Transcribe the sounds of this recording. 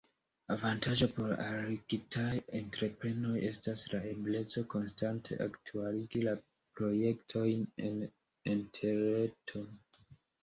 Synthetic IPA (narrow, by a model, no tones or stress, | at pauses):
avantʰaʒopo̞ɾa̰ɾiɡitʰajentɾe̞pɾe̞no̞je̞staslae̞ble̞t͡so̞ko̞nstantʰe̞̰ʔa̰ktʰualiɡila | pɾo̞je̞ktʰo̞jnen | intʰe̞ɾe̞tʰo̞